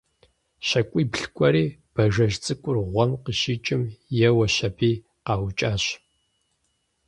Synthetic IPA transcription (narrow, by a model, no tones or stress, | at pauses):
ɕɐkʷʼiːbɬkʷʼɔɾiːb̥ɐʒɐʒt͡sʼɨkʷʼʊrʁʷɔmqəɕiːt͡ʃʼɪmjɛwɐɕɐbiː | qɑːwt͡ʃʼaːɕ